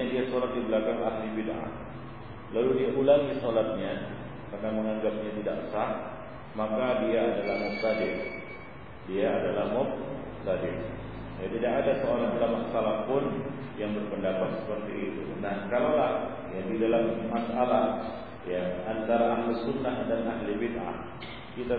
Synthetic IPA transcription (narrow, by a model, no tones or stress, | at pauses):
adiasolat̪̚dibəlakaŋahlibidʔa̰h | laludiaʔulaŋisolat̪̚ɲa | kərnaməŋaŋɡap̚ɲat̪idaksah | makadiaadalahmɔk̚t̪adɪr | diaːdalahmɔk̚ | t̪adɪr | jat̪idakadasəoɾadalamasalahpʊn | jaŋbərpəndapat̪̚sə̥pərt̪iːt̪unahkalalah | jadidalammasalah | jaant̪aɾaʔːhlisunːahdanaɦlibid̪ʔa̰h | kit̪a